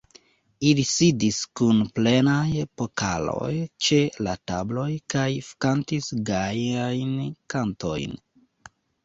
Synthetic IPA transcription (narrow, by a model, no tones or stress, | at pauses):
ilisidiskunple̞najepokʰalo̞̰jt͡ʃe̞latablo̞jkajfkantisɡajajnkanto̞̰jn